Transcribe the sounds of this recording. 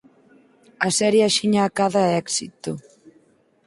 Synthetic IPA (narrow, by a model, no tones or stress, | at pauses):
ɐsɛɾjaʃiɲaːkaðaɛɛksit̪o